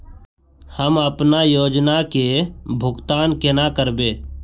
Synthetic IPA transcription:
həməpnaːjoːd͡ʒnakeːbʱʊɡt̪aːnkenakəɾbeː

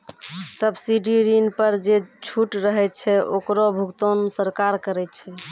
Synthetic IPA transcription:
səbsiɖiɾinpəɾd͡ʒet͡ʃʰuʈɾəɦɛt̪̚t͡ʃʰɛʔokɾobʱukt̪onsəɾkaɾkəɾɛt̪t͡ʃʰɛ

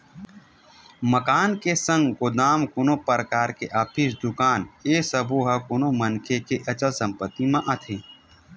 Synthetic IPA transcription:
məkaːnkesə̃ŋɡɡod̪aːmkʊnopəɾəkaːɾkeʔaːpʰiːsd̪ʊkaːnesəboɦɐkʊnomənkʰekeʔɐt͡ʃəlsə̃mpət̪imãʔɐt̪ʰẽː

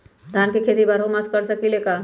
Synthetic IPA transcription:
d̪ʱankekʰet̪ibaɾomaskəɾsəkileka

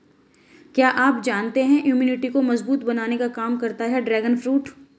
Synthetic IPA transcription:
kjaːʔaːpd͡ʒaːnt̪eɦɛ̃ʔjuːmiːnɪʈikomɐzbuːt̪bɐnaːnekakaːmkɐɾt̪aɦɛɖɾɛːɡənfɾuːʈ

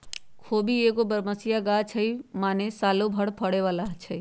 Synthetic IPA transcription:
kʰoːbieːkobəɾməsijaɡat͡ʃʰəimaːnesaːlobʱəɽpʰəɽeʋaːlaɦt͡ʃʰəi

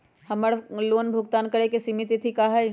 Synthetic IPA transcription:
hɐməɽloːnbʱʊɡt̪aːnkɐɾekesimɪt̪it̪ʰikaɦɛj

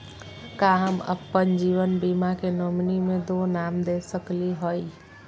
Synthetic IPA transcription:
kaɦəmə̰pːənd͡ʒiːʋənbimakenoːmnimẽd̪oːnaːmd̪eːsəkliɦoi

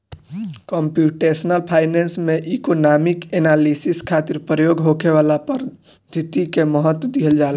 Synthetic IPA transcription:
kɔmpjuʈesnəlpʰaːɪnensmẽʔikonamikenalisiskʰat̪iɾpɾəjoɡɦokeʋalapəɾ | d̪ʱit̪ikeməɦət̪wd̪iɦəld͡ʒal

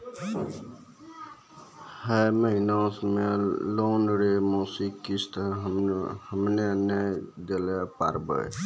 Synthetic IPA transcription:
həməɦinãsmelonɾemosikːist̪ | həmneənːajd̪elepa̰ɾbə̰j

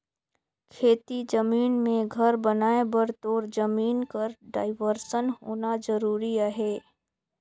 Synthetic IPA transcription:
kʰeːt̪id͡ʒɐmiːnmẽɡʱɐɾbɐnaːebəɾt̪oːɾd͡ʒəmiːnkəɾɖa̰ːɪʋəɾʃənɦoːnazəɾuːɾiaɦɛː

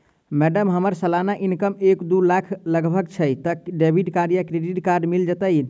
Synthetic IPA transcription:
mɛɖəmɦəməɾsəlanaʔinkəmekd̪ulakʰləɡbʱəkt͡ʃʰəjt̪əɖebʱiʈkaɾijakɾeɖiʈkaɾɖmild͡ʒət̪əj

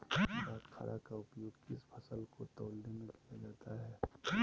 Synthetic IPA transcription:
baːt̪kʰa̰ːɾʔa̰kaʊpjʊɡkɪspʰɐsəlkot̪oːlnemẽkijad͡ʒaːt̪aɦɛː

